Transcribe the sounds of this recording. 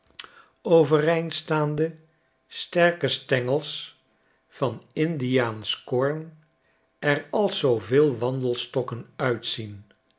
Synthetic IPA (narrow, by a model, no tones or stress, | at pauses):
owvərejntstaːndə | stɛɹkəstɛŋəlˠs | fɑnɪndijaːnskɔɹn | ɛrɑlˠsowvɪːlˠʋɑndəlˠstɔkənœɥtsin